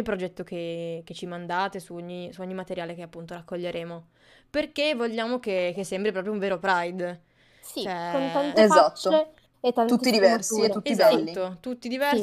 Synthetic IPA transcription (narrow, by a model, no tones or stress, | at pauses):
lpɾod͡ʒɛt̪ːokek̟et͡ʃːimand̪aːt̪esuoɲːisuoɲːimat̪eɾjaːlekeapːunt̪oɾakːoʎːeɾʔeːmo | perkevoʎːaːmok̟ek̟esːɛmbɾipɾɔːpɾjouɱveːɾopɾajd̪ | siɛonant̪ezat̪ːo | et̪ːat̪ut̪ːid̪ivɛrsit̪ːutːizalt̪ːiːot̪ut̪ːid̪ivɛ